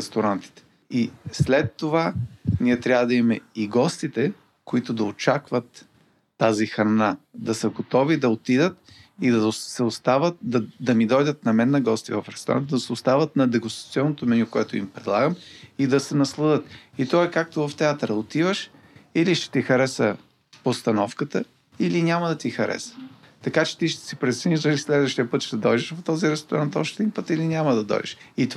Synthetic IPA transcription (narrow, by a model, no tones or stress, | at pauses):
ɛst̪oɾant̪i̥t̪ɛ̥ | islɛt̪ːovaniɛt̪ɾʲavəd̪ɐimɛiɡɔst̪it̪ɛ | koit̪od̪ɐot͡ʃakvət̪ː | azixɾɐnad̪ɐsəɡot̪ɔvid̪ɐot̪id̪ət̪ | id̪ɐsɛost̪avət̪̚d̪ɐd̪ɐmid̪ɔjd̪ət̪̚nɐmɛnːɐɡɔst̪ivɐfɾɛst̪oɾa̰nt̪d̪ɐsɛost̪avət̪nɐd̪ɛɡʊst̪ɾɐ̥t̪siɔnːot̪omɛnʲukoɛt̪oimpɾɛd̪lˠaɡəmid̪ɐsɛnɐslˠəd̪ət̪it̪ɔɛkak̚t̪ovɐft̪ɛat̪ɾɐot̪ivəʃ | iliʃt̪ɛ̥t̪ixɐɾɛsə | post̪ɐnɔfkət̪ə | ilinʲaməd̪ɐt̪ixɐɾʔɛ̰sə̥ | t̪ɐkat͡ʃɛ̥t̪iʃt̪ɛ̥sipɾɛt̪sɛniʒzɐlislɛd̪vəʃt̪ijəpɤt̪ʃt̪ɛd̪ɔjd̪ɛʃvɐft̪ɔziɾɛst̪ʊɾant̪ɔʃt̪ɛd̪inpɤt̪ilinʲamɐd̪ɐd̪ɔ̰jd̪ɛ̰ʃit̪